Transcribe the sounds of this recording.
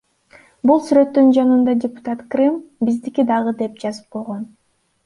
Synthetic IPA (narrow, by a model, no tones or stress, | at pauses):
bulˠsyɾø̞t̪ːynd͡ʒɑnɯnd̪ɑdʲɪpʊ̥t̪at̪krɨmbizd̪ikid̪ɑʁɯd̪e̞p̚d͡ʒɑzɯp̚qʰo̞lˠʁo̞n